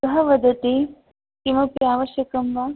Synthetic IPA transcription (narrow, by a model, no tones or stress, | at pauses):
kɐɦɐʋɐd̪ɐt̪i | kimɐpjjaːʋɐʃjɐkɐmʋaː